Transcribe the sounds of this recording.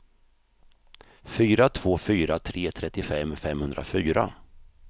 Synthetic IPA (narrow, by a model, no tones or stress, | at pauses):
fyːɾat̪ʰv̥oːfyːɾat̪ʰɾeːt̪ʰɾɛt̪ːɪfɛmːfɛmːhɵnd̪ɾa̰fyːɾa̰